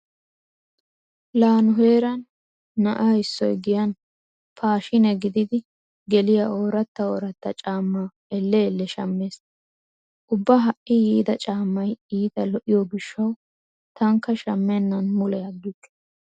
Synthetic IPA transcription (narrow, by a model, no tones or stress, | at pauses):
laːnʊɦeːɾɐnː | ɐ̰ʔɐɪsːɔjɡɪjɐn | pʰaːʃɪnɛɡɪd̪ɪd̪ɪ | ɡɛlɪjao̞ːɾɐt̪ːɐo̰ːɾɐt̪ːɐt͡ʃʼaːmːaː | ɛlːɛːlːɛʃɐmːeːs | ʔʊbːɐɦɐʔɪjiːd̪ɐt͡ʃʼaːmːɐjiːt̪ɐlɔʔɪjɔɡɪʃːɐw | t̪ɐŋkːɐʃɐmːɛnːɐnmʊlɛjɐɡːɪk̪ː